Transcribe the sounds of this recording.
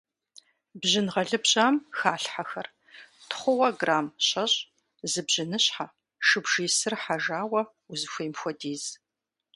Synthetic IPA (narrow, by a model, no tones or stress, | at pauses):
bʑɪnʁɐɮɨbʑʼaːmxaːɬħaxɐr | tʰχʷʊwɐɡraːmɕɐɕʼ | zɨbʑɪnɨɕħa | ʃɨbʒiːsɨrħaʒaːwɐ | uzɨxʷejmxʷɔdiːz̥